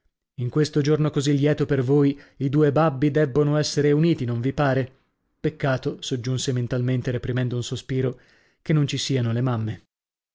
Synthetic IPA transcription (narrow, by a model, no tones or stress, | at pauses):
iŋkwest̪od͡ʒornokozilːjɛːt̪opervoːjid̪uːebabːid̪ɛbːonoɛsːeɾeuniːt̪inoɱvipaːɾe | pekːaːt̪osod͡ʒːunsement̪alment̪eɾepɾimɛnd̪ounsospiːɾo | kenːont͡ʃisiːanolemamːe